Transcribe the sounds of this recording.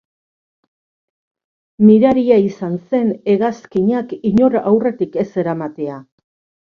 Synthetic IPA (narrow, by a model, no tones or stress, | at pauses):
miɾaɾiaisanse̞ne̞ɣaskiɲakiɲo̞ɾawre̞t̪ike̞se̞ɾamat̪e̞a